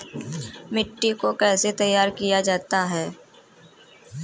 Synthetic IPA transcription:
mɪʈːikokɛːset̪ɐjːaːɾkijad͡ʒaːt̪aɦɛː

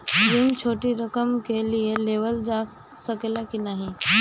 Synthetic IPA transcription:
ɾimt͡ʃʰoːʈiɾɐkəmkelieleːʋəld͡ʒa | sɐkelakinaːɦĩ

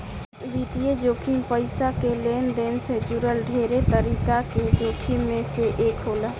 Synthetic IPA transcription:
bit̪ijed͡ʒokʰimpəɪsakelend̪ensed͡ʒuɾəlɖʱeɾet̪əɾikaked͡ʒokʰimːeseʔekɦolə

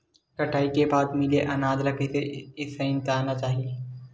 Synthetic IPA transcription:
kɐʈʰaːikebaːt̪mɪleʔɐnaːd̪ɾɐkeseɪseɪ̃nt̪eaːnat͡ʃaːɦijeː

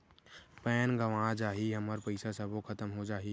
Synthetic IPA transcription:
pɛːnɡəʋãːd͡ʒaːɦiɦɐməɾpəɪsasəbokʰɐt̪əmɦod͡ʒaːɦi

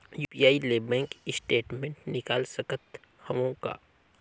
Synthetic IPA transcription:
juːpijaːileːbɛ̃ːŋkɪsʈeːʈmẽɳʈnɪkaːlsɐkət̪ | hɐmõka̰ː

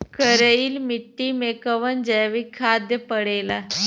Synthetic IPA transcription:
kəɾəiːlmiʈːiːmekəʋənd͡ʑajʋikʰad̪jəpəɽela

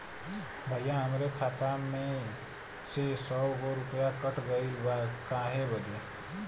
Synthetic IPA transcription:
bʱəjãɦəmɾekʰat̪amẽ | sesɔwɡoɾʊpjakəʈʰɡəiʋakãɦebəle

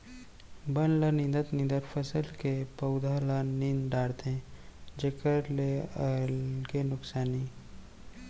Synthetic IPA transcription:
bənlənĩnd̪ət̪nĩnd̪əɾpʰəsəlkepəʊd̪ʱaləninɖaːɽt̪ɛ̃d͡ʒekəɾleəlkenʊksaːni

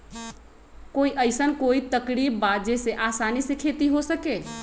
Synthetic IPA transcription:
koiʔəɪsənkoit̪əkɾibbad͡ʒeseʔasanisekʰet̪iɦosəke

